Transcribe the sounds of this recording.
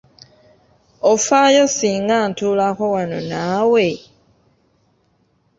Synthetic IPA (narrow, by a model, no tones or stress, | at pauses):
ofajosiːŋɡantuːlakowano̰naːwe̞